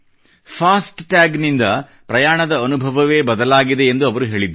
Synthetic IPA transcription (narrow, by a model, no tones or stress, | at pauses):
pʰaːsʈʈaːɡnind̪ɐ | pɾɐjaːɳɐd̪ɐːnubʱɐʋɐʋe̞ːbɐd̪ɐlaːɡid̪e̞ːnd̪uɐʋɐɾuɦe̞ːɭid̪